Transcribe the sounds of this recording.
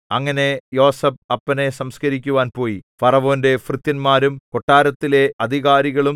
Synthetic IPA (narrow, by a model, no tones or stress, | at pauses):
ɐŋːɐne̞jo̞ːsɐb̚ɐpːɐne̞sɐmskɐɾik̬ʲːuʋaːnpo̞ːjifɐrɐʋo̞ːnde̞frɨt̪jɐnmaːɾumko̞ʈːaːɾɐt̪ːile̞ɐd̪ʱiɣaːɾiɣɐɭum